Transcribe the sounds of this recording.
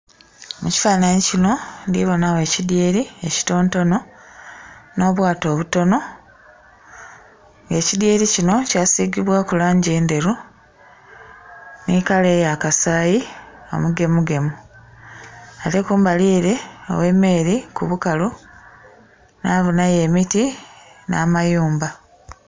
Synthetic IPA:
muci̥faːnaɲicino̞ndiβo̞nawe̞ːcidjeːɾie̞ci̥to̞ːnto̞no̞ | no̞ːβwaːto̞ːβuto̞no̞ | ŋɡe̞ːcidjeːɾicino̞caːsiɡiβwakulaːɲɟeːnde̞ɾu | nikale̞ːjakasaːjio̞̰muɡe̞muɡe̞mu | ate̞kuːmbaliːɾe̞o̰we̞ːmːe̞ːɾikuβukalu | naːβunaje̞ːmitina̰ːmajuːmba

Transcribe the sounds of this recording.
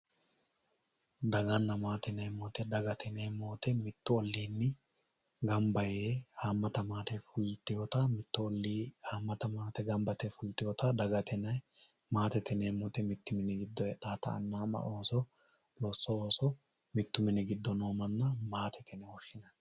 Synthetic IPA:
d̪ɐɡɐnːɐmaːt̪ɛnɛjmoːt̪ɛd̪ɐɡɐt̪ɛnemoːt̪ɛmɪt̪ːʊɔlːiːnːɪ | ɡɐmbɐjeːhaːmːɐt̪ɐmaːt̪ɛfʊlt̪ːɪjɔt̪ɐmɪt̪ːʊɔlːiːhaːmːɐt̪ɐmaːt̪ɛɡɐmbɐt̪ɛfʊlt̪ːɪjɔt̪ɐd̪ɐɡɐt̪ɛnɐj | maːt̪ɛt̪ɛneːmoːt̪ɛmɪt̪ːʊmɪnɪɡɪd̪ːɔjɛᶑaːt̪ɐ̰ɐ̰nːaːmɐ̰ʔoːsɔ | lɔsːɔoːsɔ | mɪt̪ːʊmɪnɪɡɪd̪ːɔnoːmɐnːɐmaːt̪ɛt̪ʰɛnɛhɔʃːɪnɐn

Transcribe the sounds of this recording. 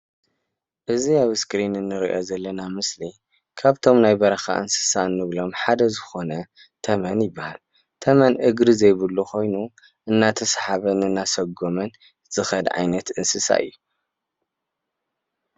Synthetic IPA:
ʔɨziaβskɾinɨnːɨɾiʔo̞zɐlːɐnamɨsli | kʰaβt̪ʰo̞mnajbɐɾɐxa̰ʔɨ̰nsɨ̥sanɨβlo̞mħad̪ɐzɨxo̞nɐ | t̪ʰɐmɐnjɪbːahal | t̪ʰɐmɐnʔɨɡɾizɐjβɨlːuxo̞jnu | ʔɨnːat̪ʰɐsħaβɐnɨnːasɐɡo̞mɐn | z̥ɨxɐd̪ʕa̰jnɐt̪ɨnsɨsa̰ʔɨ̰jːu

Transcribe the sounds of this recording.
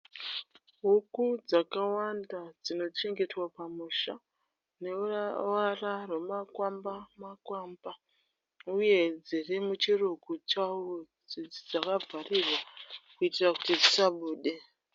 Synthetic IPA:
ɦukud͡zakawandad͡zino̞t͡ʃe̞ŋɡe̞twapamuʃa | ne̞wararwe̞makwambamakwaːmba | uje̞d͡zirimut͡ʃirukut͡ʃawo | d͡ziid͡zakavʱarirwakuitiraku̥tid͡zisaɓuːɗe̞

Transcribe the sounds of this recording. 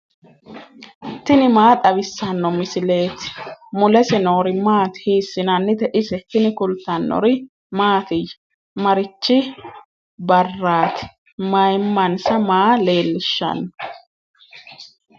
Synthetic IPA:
t̪ɪnɪmaːt̪ʼɐβɪsːɐnːɔmɪsɪle̞ːt̪ɪ̥mʊlɛsɛnoːɾɪmaːt̪ɪ̥hiːsːɪnɐnːɪt̪ɛʔɪsɛt̪ɪnɪkʊlt̪ːɐnːɔ̰ɾɪ | maːt̪ɪj | mɐɾɪt͡ʃːɪ | bɐrːaːt̪ɪ̥ | mɐjmːɐnsɐmaːle̞ːlːɪʃːɐ̰nːɔ

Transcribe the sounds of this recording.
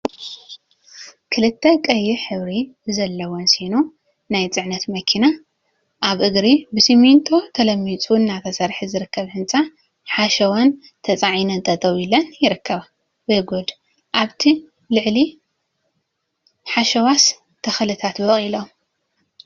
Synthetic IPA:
kʰɨlɨt̪ʰːɐkʼɐjːiħɨβɾizɐlːɐwonsino | najt͡sʼɨʕnɐt̪mɐkʰina | ʔaβʔɨɡɾibɨsimint̪ʼʰo̞t̪ʰɐlɐmːit͡sʼunnːat̪ʰɐsɐɾħizɨɾɨkʰːɐβhɨnt͡sʼa | ħaʃɐwɐn | t̪ʰɐt͡sʼaʕinɐnt̪ʼɐt̪ʼɐwilɐnjɪɾɨkʰːɐβa | bɨɡod̪ | ʔaβt̪ʰi | lɨʕli | ħaʃɐwas | t̪ʰɐxɐlɨt̪ʰat̪bɐkʼilom

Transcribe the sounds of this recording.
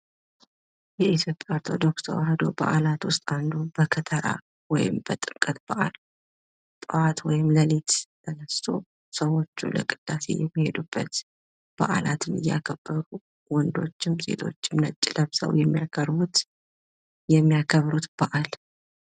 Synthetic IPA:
jɛit̪jo̞pʼːjaoɾt̪ʰo̞d̪o̞ksə̰wɦəd̪o̞̰ba̰ʔalat̪wʊst̪ʼand̪ubəkʰət̪ʰəɾa̰ | wɔjɪ̰mb̥ət̪ʼɨŋkʼət̪̚bəʔal | t̪ʼəwat̪wɔjɪmləlet̪t̪ʰənəst̪ʰo | səwo̞t͡ʃːṵlə̰kʼɨd̪̥ːase̞̰jɛmːihe̞d̪ub̥ːət̪ | b̥a̰ʔalat̪ʰɨmɨ̰jːakʰəb̥ːəɾu | wɔnd̪o̞t͡ʃːɪmse̞̰t̪ʰo̞̰t͡ʃːɪmnət͡ʃʼːɪləβsə̰wjɛmːijakʰəɾbut̪ | jɛmːijakʰəβɾut̪b̥əʔal

